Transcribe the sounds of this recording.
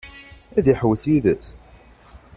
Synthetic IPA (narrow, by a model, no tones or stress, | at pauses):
æðiħəwəθjiðəθ